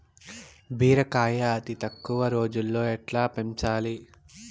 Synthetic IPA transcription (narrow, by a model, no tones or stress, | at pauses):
bʱiːɾɐkaːjɐːt̪it̪ɐkːuʋɐɾo̞ːd͡ʒulːo̞ːɛʈlaːpeɲt͡ʃaːli